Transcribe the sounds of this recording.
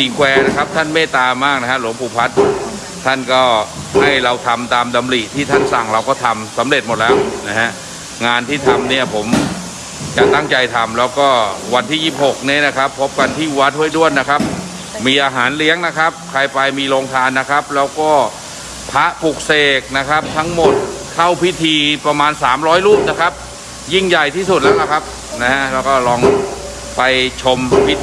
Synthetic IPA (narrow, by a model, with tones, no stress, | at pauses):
siː˨˩˦kwɛː˧na˦˥kʰa˦˥p̚t̪ʰa˥˩nmeː˥˩t̪aː˧maː˥˩k̚na˦˥kʰa˦˥lu˩˦mpʰuː˨˧˩pʰa˦˥t̪̚ | t̪ʰa˥˩nkɔː˥˩ | ha˥˩jɾa˧wt̪ʰa˧mt̪aː˧mda˧mli˨˩t̪ʰiː˥˩t̪ʰa˥˩nsa˨˩ŋɾa˧wkɔː˥˩t̪ʰa˧msa˩˦mɾe˨˩t̪̚mo˨˩t̪̚lɛː˦˥wna˦˥ha˦˥ʔ | ŋaː˧nt̪ʰiː˥˩t̪ʰa˧mni˥˩ɐpʰo˩˦m | t͡ɕa˨˩ʔt̪a˥˩ŋt͡ɕa˧jt̪ʰa˧mlɛː˦˥wkɔː˥˩wa˧nt̪ʰiː˥˩jiː˥˩p̚ho˨˩k̚ni˦˥˩na˦˥kʰa˦˥pʰːo˦˥p̚ka˧nt̪ʰiː˥˩u˧wa˦˥t̪̚hu˥˩əjdu˥˩ənna˦˥kʰa˦˥p̚ | miː˧ʔaː˧ɦaː˩˦nli˦˥əŋna˦˥kʰa˦˥p̚kʰɾa˧jpa˧jmiː˧loː˧ŋt̪ʰaː˧nːa˦˥kʰa˦˥p̚lɛː˦˥wkɔː˥˩ | pʰa˦˥ʔpʰu˨˩k̚seː˨˩k̚na˦˥kʰa˦˥p̚t̪ʰa˦˥ŋmo˨˩t̪̚kʰa˥˩wpʰi˦˥t̪ʰiː˧pɾa˧maː˧nsaː˩˦mɾɔː˦˥jluː˥˩p̚na˦˥kʰa˦˥p̚ | ji˥˩ŋja˨˩jt̪ʰiː˥˩s̬u˨˩t̪̚lɛː˦˥wla˦˥kʰa˦˥p̚ | na˦˥ha˦˥ʔlɛː˦˥wkɔː˥˩lɔː˧ŋ | pa˧jt͡ɕʰo˧mpʰi˦˥